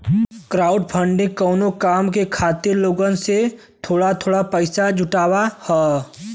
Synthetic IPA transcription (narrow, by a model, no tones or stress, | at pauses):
kɾaːʊɖpʰə̃ɳɖẽkɔːnokaːmkekʰaːt̪ɪɾloːɡənse | t̪ʰoːɽat̪ʰoːɽapəɪsad͡ʒʱʊʈaːwahɛː